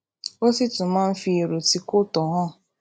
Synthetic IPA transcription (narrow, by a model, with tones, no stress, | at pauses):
o˦si˦tʊ˨ma˦m̩˦fi˨ɾu˨ti˨kʊ˦tɔ˨ɦɔ˦